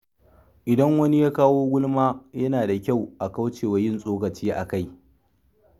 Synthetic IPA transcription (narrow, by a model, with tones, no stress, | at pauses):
ʔɪ˨dɐ˦ŋwɐ˦ni˦jaː˦kaː˦woː˦ɡʷʊ˦lmaː˦jɐ˦naː˨da˨kʲa˦˨wʔa˨ka˦wt͡ʃeː˨wɐ˨jɪ˦˨nsʼoː˦kɐ˨t͡ʃiː˦ʔa̰˨ka˦˨j